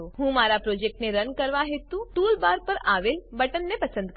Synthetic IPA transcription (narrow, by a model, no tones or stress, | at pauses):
oɦũmaɾapɾod͡ʒek̚ʈneɾənkəɾʋaɦet̪ũʈulbaɾpəɾaʋelbəʈənːepəsə̃nd̪k